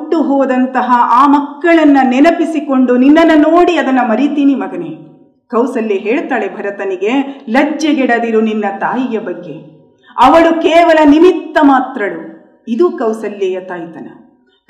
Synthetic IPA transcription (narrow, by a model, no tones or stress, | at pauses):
ʈːuɦɔːd̪ɐnt̪ɐɦɐaːmɐkːɐɭɐnːɐnɛnɐpisiko̞ɳɖuninːɐnːɐnoːɽiɐd̪ɐnːɐmɐɾit̪iːnimɐɡɐne | kɐwsɐlːiɦeːɭt̪aːɭebʱɐɾɐt̪ɐniɡe̞lɐd͡ʒjɐɡɛɽɐd̪iɾuninːɐt̪aːjijɐbɐɡːe̞ | ɐʋɐɭukeːʋɐlɐnimit̪ːɐmaːt̪ɾɐɭu | id̪uːkɐwsɐlːejɐt̪aːjt̪ɐnɐ̰